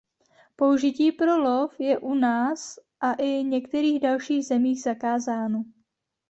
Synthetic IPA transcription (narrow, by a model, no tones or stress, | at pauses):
po̞uʒɪciːpɾo̞lofjɛʔunaːsʔaʔɪɲɛkt̪ɛɾiːɣdalʃiːɣzɛmiːɣz̥akaːzaːno